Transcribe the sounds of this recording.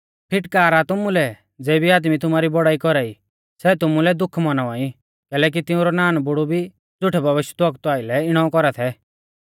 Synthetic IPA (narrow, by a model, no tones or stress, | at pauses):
pʰɪʈkaːɾat̪ʊmulɛ | d͡zɛːbiaːd̪mit̪ʊmaːɾibɔɽaːikɔɾaːi | sɛt̪ʊmulɛd̪ʊkʰmɔnaʋãːĩ | kɛːlɛːk̬it̪ɪũɾɔnaːnbʊɽubʱi | d͡zʊʈʰɛbɐʋɪʃjət̪ɔk̚t̪aːɪlɛɪɽ̃ɔ̃ɔ̃kɔɾat̪ʰɛ